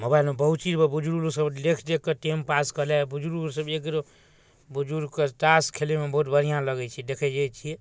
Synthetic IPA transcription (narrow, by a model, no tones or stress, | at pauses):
mobailmebəɦut̪t͡ʃiɾbebud͡ʒuɾulusəblekʰd̪ekːeʈempaskəlebud͡ʒuɾulsəbekɾo | bud͡ʒuɾkeʈaskʰelemebəɦut̪̚bəɾ̤ijãləɡɛt͡ʃʰid̪ekʰɛd͡ʒajt͡ʃʰiɛ